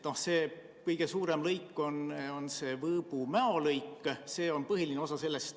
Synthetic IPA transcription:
no̞hse̞ː | kɤjɡ̥e̞suːɾe̞mlɤjkːˑo̞nonse̞ːvɤːb̥umæolɤjkːˑse̞ːo̞npɤɦilineo̞sɑse̞lːest̪

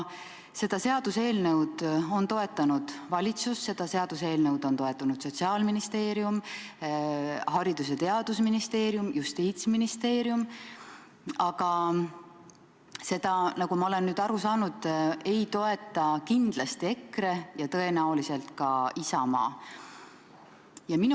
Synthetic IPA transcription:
se̞d̪̥ɑseɑd̪̥use̞ːlnewd̪̥o̞nt̪o̞e̞t̪ːˑɑnud̪̥vɑlʲit̪susːe̞d̪̥ɑse̞ɑd̪̥use̞ːlne̞wd̪̥o̞nt̪o̞e̞t̪ːˑunud̪̥so̞t̪siɑːlminist̪e̞ːɾjum | hɑɾid̪̥us̬e̞t̪e̞ɑd̪̥usminist̪e̞ːɾijumjust̪iːt̪sminist̪e̞ːɾjum | ɑɡ̥ɑ | se̞d̪̥ɑnɑɡumɑole̞nːyːd̪̥ɑɾusɑːnud̪̥e̞jt̪o̞e̞t̪ːˑɑkind̪̥lɑst̪ie̞kɾe̞jɑt̪ɤ̞e̞næolise̞lt̪kɑisɑmɑ̰ː | jɑmin

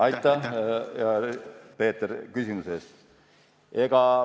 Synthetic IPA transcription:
ɑjt̪ˑːɑjɑpe̞ːt̪ːeɾkysimuses | e̞ɡ̥ɑ

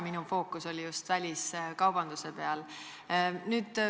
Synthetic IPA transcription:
minufo̞ːkːuso̞lʲijust̪vælʲiskɑwb̥ɑnd̪̥use̞pe̞ɑl | nyːd̪̥

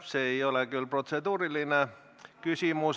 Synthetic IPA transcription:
seeiolekylprot̪sed̪uːriline | kysimus

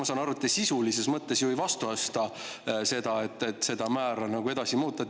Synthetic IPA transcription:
mɑsɑːnɑɾut̪ːesisulise̞smɤt̪ːˑe̞sjuvjvɑst̪uost̪ɑse̞d̪̥ɑe̞t̪ːˑe̞t̪se̞d̪̥ɑmæːɾɑnɑɡue̞d̪̥ɑsimuːt̪ˑːɑ

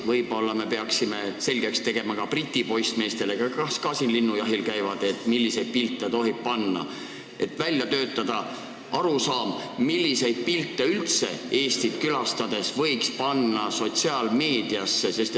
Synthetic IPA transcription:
vɤjbo̞lːɑme̞peɑksime̞se̞lʲɡ̥ekst̪e̞ɡ̥e̞mɑkɑprit̪ʲːˑipo̞jst̪me̞ːst̪e̞lekɑkɑskɑsinlinːujɑɦilkæjvɑd̪̥e̞t̪ːˑmilʲːise̞jd̪̥̚pilt̪ːˑet̪o̞ɦib̥̚pɑnːɑ̰ | ʔe̞t̪ːˑvælʲjɑt̪ø̞ːt̪ːˑɑd̪̥ɑ | ɑɾusɑːmmilʲːise̞jd̪̥̚pilt̪ːˑeylt̪se̞̰e̞ːst̪it̪kylɑst̪ɑd̪̥e̞svɤjkspɑnːɑso̞t̪siɑːlme̞ːd̪̥iɑsːe̞se̞st̪e

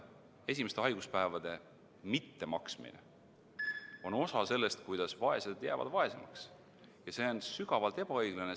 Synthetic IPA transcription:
e̞s̬ʲime̞st̪eɑjɡ̥uspæevɑd̪̥e̞ | mit̪ːe̞mɑksmḭnḛ | o̞no̞sɑse̞lːe̞st̪kujd̪̥ɑsvɑe̞sed̪̥jæːvɑ̰d̪̥vɑe̞semɑ̰ks | jɑse̞onsyɡ̥ɑvɑlt̪e̞b̥ɑɤjɡ̥lɑne

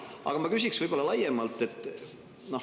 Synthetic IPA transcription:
ʔɑ̰ɡ̥ɑmɑkysiksvɯjb̥olːɑlɑjemɑlt̪ːˑe̞t̪ːˑ | no̞h

